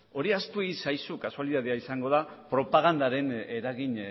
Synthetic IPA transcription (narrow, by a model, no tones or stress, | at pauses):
o̞ɾiast̪uisajsukasualiðaðeaisaŋɡo̞ð̞apɾo̞paɣand̪aɾe̞neɾaɣiɲ